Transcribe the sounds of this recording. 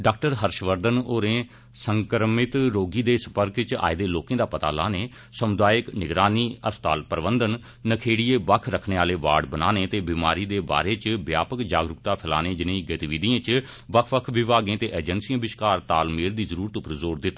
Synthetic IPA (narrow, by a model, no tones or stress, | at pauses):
ɖaːk̚ʈəɾɦəɾʃʋəɾd̪ənoːɾẽː | səŋkəɾmɪt̪ɾoːɡiːd̪eːsəpəɾkt͡ʃa̰ːɪd̪eːloːkẽːd̪aːpət̪a̰ːla̰ːneː | səmʊd̪aːjɪknɪɡɾaːniːəst̪a̰ːlpəɾbənd̪ənː | əkʰeːɽiːeːʋəkʰɾəkʰneːaːleːʋa̰ːɖbənaːnẽːt̪eːbiːma̰ːɾiːd̪eːba̰ːɾeːt͡ʃbja̰ːpəkd͡ʒaːɡɾʊkt̪aːpʰəla̰ːnẽːd͡ʒɪnẽːɡət̪iʋiːd̪iãːt͡ʃ | ʋəkʰʋəkʰʋɪʋaːɡẽːt̪eːʔeːd͡ʒənsijãːbɪʃkaːɾt̪aːlmeːld̪iːzəɾuːɾət̪ʊpəɾzoːɾd̪ɪt̪ː